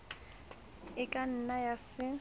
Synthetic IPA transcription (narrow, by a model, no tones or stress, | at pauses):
ɪkʼan̩najasɪ